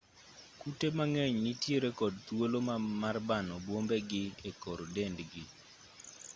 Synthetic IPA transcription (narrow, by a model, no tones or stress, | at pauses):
kutemaŋeɲnitjeɾekɔd̚t̪wolomamarbanɔbwombeɡɪekɔɾdendɡɪ